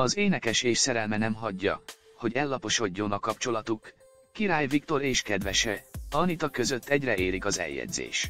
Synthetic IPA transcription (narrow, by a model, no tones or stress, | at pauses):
ɒzeːnɛkɛʃeːʃsɛɾɛlmɛnɛmɦɒɟːɒ̰ | ho̞ɟɛlːɒpo̞ʃo̞ɟːo̞nɒkɒp̚t͡ʃo̞lɒt̪ukː | iɾaːjvik̚t̪o̞ɾeːʃkɛd̪ʋɛʃɛɒnit̪ɒkø̞zøt̪ːɛɟrɛeːɾikɒzɛ̰ljɛ̰d̪zḛːʃ